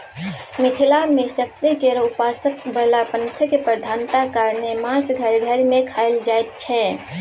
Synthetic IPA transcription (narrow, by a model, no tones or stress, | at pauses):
mɪʈʰilamesək̚t̪ikeɾʊpaːsəkbəlapənt̪ʰəkepəɾd̪ʱanʈ̪akaɾnemãsɡʱəɾɡʱəɾmẽkʰaɪld͡ʒaet̪̚t͡ʃʰɛ